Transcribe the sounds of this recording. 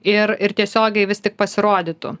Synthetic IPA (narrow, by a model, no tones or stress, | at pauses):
ɪrɪɾt̪ʲiɛsʲoːɡʲɛɪʋʲɪst̪ʲɪk̚pɐsʲɪɾoːd̪ʲɪt̪ʊ̰